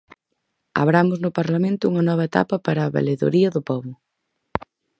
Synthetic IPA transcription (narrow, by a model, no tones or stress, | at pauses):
a̰βɾamʊznʊpaɾlamẽnt̪ʊuŋɐnɔβ̞ɐet̪a̰pɐpaɾɐːβḛleðo̰ɾiɐðʊpɔβʊ